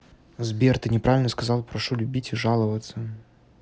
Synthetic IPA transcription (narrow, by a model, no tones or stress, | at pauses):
zbʲert̪ɨnʲɪpɾavʲɪlʲnəskɐzɑlˠpɾɐʂulʲʊbʲitʲɪʐalˠəvət̪sə